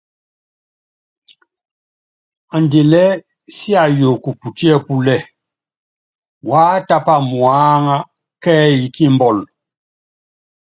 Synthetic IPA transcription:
a˨nde˨lɛ˦ | si˦a˨jo˨ku˨pu˨ti˦ɛ˦pu˦lɛ˦˨ | wa˦ta˦pa˦˨mwaː˦ŋa˦ | kɛː˦ji˨ki˦mbɔ˦˨l

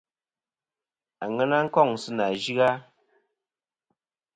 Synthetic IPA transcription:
a˨ŋɛ˦na˦ŋ̩˦kɔ˦˨ŋ˨sɨ˦na˨d͡ʒi˦ɣa˦

